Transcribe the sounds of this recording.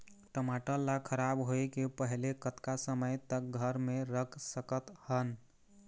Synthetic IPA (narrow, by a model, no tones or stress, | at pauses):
ʈəmaʈəlːakʰəɾabɦoekepəɦlekət̪kasəməjt̪ək̚ɡʱəɾmeɾəkʰsəkət̪hən